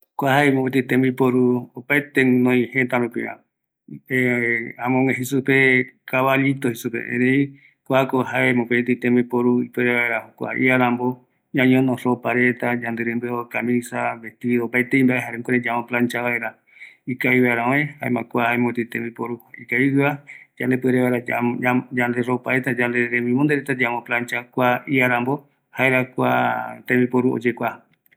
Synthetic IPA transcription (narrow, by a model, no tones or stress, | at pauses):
kʷahaemõpet̪it̪ẽmbipoɾuopaet̪enõĩhẽt̪aɾupḭɾã̰ | ãmõmeɦisupekaβaʎit̪ohisupḛḛɾeĩ | kʷakoɦaemõpet̪it̪it̪ẽmipoɾuipeɾeβaeɾahokʷa̰ʔḭaɾãmbo | ɲãɲõnõsopaɾet̪ad͡ʒãnd̪eɾɨ̃nd̪ueokamĩsabet̪iiðopajt̪eĩmbaʔeɦaɾẽkoɾẽd͡ʒamõplãnt͡ʃaβaeɾa | ikaiβaeɾãoẽhaḛmãkʷahaemõt̪it̪ẽmbipoɾuikaiɨβad͡ʒand̪epɨeɾeβaeɾa | d͡ʒand̪eɾopaɾet̪ad͡ʒand̪eɾẽmbĩmõnd̪eɾet̪ad͡ʒamõplãnt͡ʃakʷaiaɾãmbo | haeɾakʷa̰t̪ẽmbipoɾuo̰d͡ʒekʷa